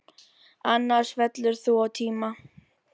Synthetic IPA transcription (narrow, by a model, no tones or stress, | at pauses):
anːḁʂvɛt̪lʏɾθuawt̪ʰiːma